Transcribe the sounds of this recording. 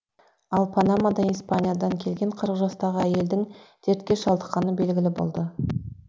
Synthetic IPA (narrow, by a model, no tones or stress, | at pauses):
ɑlˠpʰɑnamad̪ɑispanʲijad̪ɑŋkʲʰe̞lɡʲeɴqʰəɾəqʒɑst̪ɑʁəæje̞ld̪ɪŋd̪̥ʰeɾt̪̚kʲe̞ʃɑlˠd̪əqqɑnəbe̞lɡʲɪlɪbo̞̰lˠd̪ə